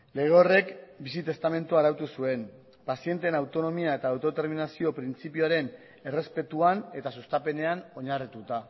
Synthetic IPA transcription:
le̞ɣ̞eore̞kbisit̪e̞st̪ame̞nt̪uaɾawt̪usue̞n | pasie̞nt̪e̞nawt̪o̞no̞miae̞t̪aːwt̪o̞t̪e̞ɾminasio̞pɾint͡sipioaɾe̞n | e̞re̞spe̞t̪uane̞t̪asust̪ape̞ne̞ano̞ɲarit̪ut̪a

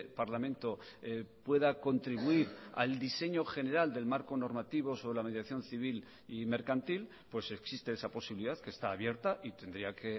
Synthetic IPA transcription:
paɾlamẽ̞nt̪o̞ | pwe̞ðako̞nt̪ɾiβuiɾa̰ld̪ise̞ɲo̞χe̞ne̞ɾald̪e̞lmaɾko̞no̞ɾmat̪iβo̞so̞βɾelame̞ðjaθjo̞nθiβ̞il | ime̞ɾkant̪il | pwe̞se̞ksist̪e̞esapo̞siβiliðaðkest̪aːβje̞ɾt̪aʔit̪e̞nd̪ɾiake

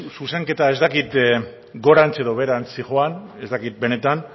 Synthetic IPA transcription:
suse̞ŋke̞t̪ae̞zd̪akit̪ | ɡo̞ɾant͡se̞ðo̞βe̞ɾant͡siʝo̞ane̞zt̪akit̪̚be̞ne̞t̪an

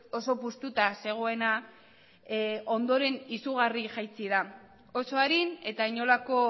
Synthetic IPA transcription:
oso̞pust̪ut̪ase̞ɣ̞o̞e̞na | o̞nd̪o̞ɾe̞nisuɣariʝajt͡siða | oso̞aɾine̞t̪aiɲo̞lako̞

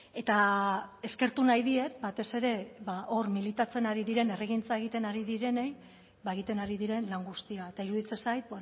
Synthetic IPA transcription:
e̞t̪ae̞ske̞ɾt̪unajðie̞t̪bat̪e̞se̞ɾe̞βaʔo̞rmilit̪at͡se̞naɾiðiɾe̞ne̞reɣint͡sae̞ɣ̞it̪e̞naɾiðiɾe̞ne̞j | βaeɣ̞it̪e̞naɾiðiɾe̞nlaŋɡust̪iaet̪aiɾuðit͡se̞sajt̪̚b

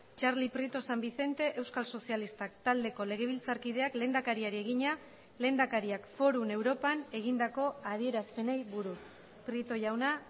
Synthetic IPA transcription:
t͡ʃaɾlipɾit̪o̞sambise̞nt̪e̞ʔewskalso̞sialist̪ak̚t̪ald̪e̞ko̞le̞ɣe̞β̞ilt͡saɾkið̞e̞akle̞nd̪akaɾiaɾie̞ɣ̞iɲa | le̞ːnd̪akaɾiakfo̞ɾune̞wɾo̞pane̞ɣ̞ind̪ako̞að̞ie̞ɾaspe̞nejβuɾu | pɾit̪o̞ʝawna

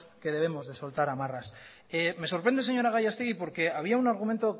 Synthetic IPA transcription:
ske̞ðe̞β̞e̞mo̞zðe̞so̞lt̪aɾamaras | eme̞so̞ɾpɾe̞nd̪e̞se̞ɲo̞ɾaɣajast̪eɣipo̞ɾke̞aβ̞iaunaɾɣument̪o

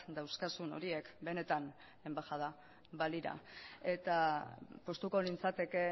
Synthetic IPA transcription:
d̪awskasuno̞̰ɾie̞kbe̞ne̞t̪an | e̞mbaxaða | βaliɾa̰e̞t̪apo̞st̪uko̞lint͡sat̪e̞ke̞

